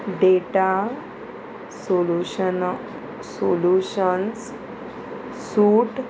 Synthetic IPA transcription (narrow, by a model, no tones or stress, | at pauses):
ɖeʈa | soluɕn | soluɕəns | suːʈ